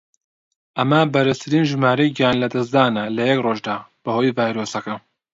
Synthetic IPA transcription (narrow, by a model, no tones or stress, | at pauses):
ʔɐmɐbɐɾɨst̪ʰɨɾiːnʒɨmaːɾɐjɡaːnlɐd̪ɐsd̪aːnɐlɐjɛkroːʒd̪aːb̥ɐhoːjvaːjɾoːsɐkɐ